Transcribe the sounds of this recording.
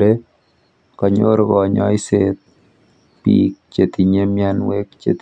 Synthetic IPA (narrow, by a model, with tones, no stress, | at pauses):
e˦ | kɔ˨ɲo̰˦ɾɡɔ˨ɲɔ̰˦ɪset̪̚ | pḭk̚t͡ʃe˨t̪i˨ɲe˦mjanwekt͡ʃḛ˨t̪